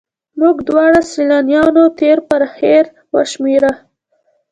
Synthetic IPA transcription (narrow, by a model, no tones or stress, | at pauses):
muɡd̪wɑɽasilɑnjɑnot̪eɾpəɾheɾ | waʃmeɾa